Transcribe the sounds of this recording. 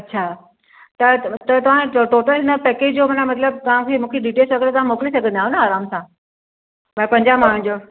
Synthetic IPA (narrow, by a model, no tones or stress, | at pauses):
ɐtːɕʰaː | t̪ɐt̪ɐt̪ɐʋ̤ãt̪oːʈəlnɐpɛːked͡ʑd͡ʑoːmɐnamɐt̪ləb̚t̪ɐʋ̤ãkʰemũːkʰeɖiʈeːsʋɐɡeɭet̪aʋ̤ãmoːkɪlisɐɡʱə̃nd̪aːɦunɐaːɾaːmsã | mɛ̃pɐ̃ɲd͡ʑamaːɽ̤ũnd͡ʑoː